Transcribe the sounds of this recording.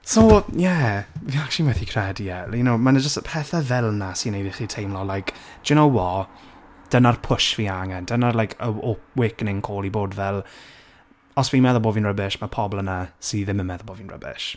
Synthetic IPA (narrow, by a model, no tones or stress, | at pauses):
sowjɛviakt͡ʃʊlimwɛθikʰr̥ɛdijɛjənomanad͡ʒəstəpʰɛθavɛlˠnasinejɾiχitʰejmlɔlajkʰ | d̥ʊnowwɔ | d̥ənarpʰʊʃv̥iaŋɛnd̥ənarlˠajkʰəɔwɪːknɪŋkʰoːlˠiboːdvɛlˠ | ɔsvinmɛðɔboːvinrəbɪʃmapʰɔblˠənasiðɪmənmɛðɔbovinrə̰bɪ̰ʃ